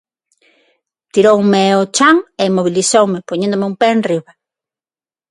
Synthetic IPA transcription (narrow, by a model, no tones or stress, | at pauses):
t̪iɾowmeot͡ʃaŋemoβilisowmepoɲẽnd̪omɪumpɛːnriβa